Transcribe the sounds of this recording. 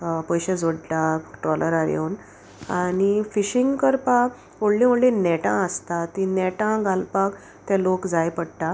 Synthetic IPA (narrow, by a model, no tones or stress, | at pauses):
pɔjɕed͡zoɽlaʈɾɔləɾaɾjo̰wn | anifiɕiŋɡkəɾpa | moɽlĩmoɽlinɛʈã̰əst̪at̪inɛʈãɡʱalpak | t̪jãlokd͡zajpəɽʈ̪a